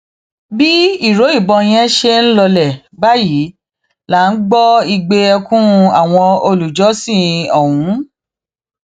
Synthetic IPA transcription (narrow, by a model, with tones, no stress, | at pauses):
bi˦i˦˨ɾo˨˦i˦˨bɔ̃˧j̃ɛ̃˦ʃe˧n̩˦lɔ˧lɛ˨ | ba˦ji˨˦ | la˨˦n̩˦ɡ͡bɔ˦i˧ɡ͡be˧ɔ˧kũ˦ɾũ˧a˨w̃ɔ̃˧o˧lu˨d͡ʒɔ˨˦sĩ˦˨ɔ˨wũ˨˦